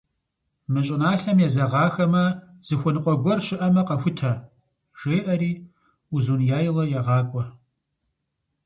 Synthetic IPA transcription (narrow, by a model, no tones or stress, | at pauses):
mɨɕʼɪnaːɬɐmjɛzɐʁɑːxɐmɐ | z̥ɨxʷɔnɨqʷʼɔɡʷɔrʃɪʔɐmɐqɐxʷʊtʰɐ | ʒ̥eːʔɐɾiː | uzunjaːjɪlɐjaʁɑːkʷʼɔ